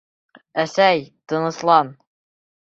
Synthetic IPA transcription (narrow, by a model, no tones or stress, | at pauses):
æsæjt̪ɤ̆nɤ̆slˠɑn